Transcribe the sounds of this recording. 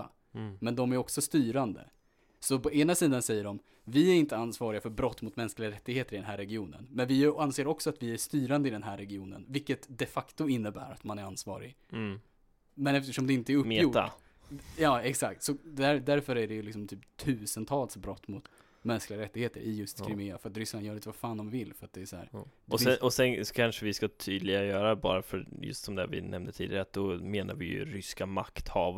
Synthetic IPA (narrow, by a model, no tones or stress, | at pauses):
a̰ | mɛnd̪ɔmæɾɔksɔst̪yːɾand̪ə̰ | sɔpʰɔeːnasiːd̪ansɛjːəɖɔm | vɪæɾɪnt̪əansvɑːɾɪɡafœɾbɾɔt̪ːmʊt̪mɛnsklɪɡaɾɛt̪ːɪɡheːt̪əɾɪd̪ɛnɦæːɾːɛɡɪuːnə̰nmɛnvɪanseːɾɔksɔat̪vɪæʂt̪yːɾand̪əɪd̪ɛnɦæːɾɛɡɪuːnə̰nvɪlkːət̪d̪ɛfakt̪ʊɪnːəbæ̰ːɾa̰t̪manæɾansvɑ̰ːɾɪ̰ɡ | mɛnɛft̪əʂɔmd̪ɛɪnt̪əæɾɵpjʊ | jɑːɛksakt̪sɔd̪æɾd̪æɾfœɾæɖɛjɵlɪksɔmt̪ʰyːpt̪ʰʉ̟ːsənt̪ʰɑːlsbɾɔt̪ːmʊt̪ | mɛnsklɪɡaɾɛt̪ːɪɡheːt̪əɾʔɪ̰jɵst̪skɾɪmɪːafœɾat̪ɾʏsːlanjœːɾɪt̪əvafaːnd̪ɔmvɪlːfœɾat̪̚d̪ɛæsɔhæ̰ːɾɔɛɔsɛnɔ̥kʰanʂəvɪskat̪ʰyːd̪lɪɡajœːɾabɑ̰ːɾafœɾjɵ̰st̪sɔmd̪ɛ̰vɪ̰nɛmnd̪ət̪ʰiːd̪ɪaɾat̪̚d̪ɔmeːna̰ɾvɪjɵ̰ɾʏskama̰kt̪hɑːv